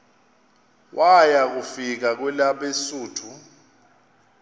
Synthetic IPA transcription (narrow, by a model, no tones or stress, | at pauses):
wʔajak̬ufik̬ak̬wɛlaɓesuːtʰu